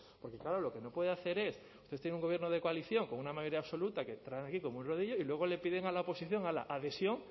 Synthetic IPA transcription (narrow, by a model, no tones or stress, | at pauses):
poɾkeklaɾolokenopweðeaθe̞ɾes | ust̪est̪eneuŋɡoβjenoð̞ekoaliθjoŋkoŋunamajoɾiaβso̞lut̪aket̪ɾaeŋakikomounroð̞iʝoilweɣ̞olepiðeŋalaopo̞siθjo̞ŋala̰ʔaðe̞sjoŋ